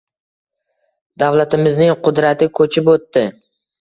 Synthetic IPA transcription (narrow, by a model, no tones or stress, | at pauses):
d̪awlat̪ɪmɪznɪŋqʊd̪ɾat̪ʰɪkʰɵt͡ʃʰɪpot̪ːɪ